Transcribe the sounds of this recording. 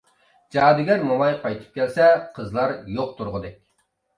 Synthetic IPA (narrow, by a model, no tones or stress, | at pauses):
d͡ʒɑːd̪ɪɡʲɛɾmomɑjqʰɑjt̪ʰɨ̥p̚kʲɛlsɛqʰəzlˠɑɾjoq̚t̪ʰuɾʁʊd̪ɛkʲ